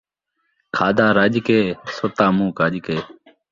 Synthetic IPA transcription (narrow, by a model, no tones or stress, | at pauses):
kʰaːd̪aːɾad͡ʒkeːsot̪aːmũːkaːd͡ʒkeː